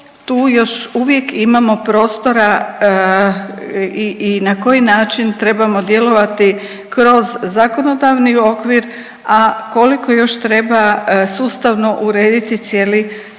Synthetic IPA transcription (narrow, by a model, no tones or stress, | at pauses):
t̪uːjo̞ʃuʋje̞kimamo̞pɾo̞ːst̪o̞ɾa | iinako̞jinaːt͡ʃint̪ɾe̞bamo̞d̪je̞lo̞ʋat̪i | kɾo̞zzako̞no̞d̪aʋnio̞kʋiɾ | ako̞liko̞jo̞ʃt̪ɾe̞basuːst̪aʋno̞ʔuɾeːd̪it̪it̪sje̞ːli